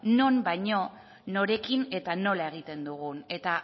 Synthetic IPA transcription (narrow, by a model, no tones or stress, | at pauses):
no̞nbajɲo̞ | no̞ɾe̞kine̞t̪ano̞lae̞ɣ̞it̪e̞nd̪uɣ̞une̞t̪a